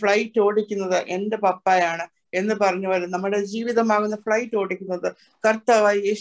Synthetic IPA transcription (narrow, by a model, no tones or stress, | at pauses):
fɭɐjtːo̞ːɽikʲːunːɐðɨʔe̞nde̞pɐpːaːjaːɳɨ | e̞nːɨpɐrɐɲːuolɐnɐmːuɽe̞d͡ʑiːʋiðɐmaːɣunːɐfɭɐjtːo̞ːɽikʲːunːɐðɨ | kɐrt̪ːɐʋaːe